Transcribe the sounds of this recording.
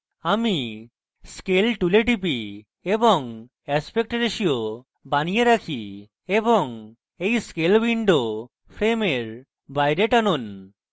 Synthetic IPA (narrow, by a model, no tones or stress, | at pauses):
ami | skelʈuleʈipi | ebɔŋ | espek̚ʈɾeʃio | banijeɾakʰi | ebɔŋ | ejskelwiɳɖo | pʰɾemeɾ | bajɾeʈanun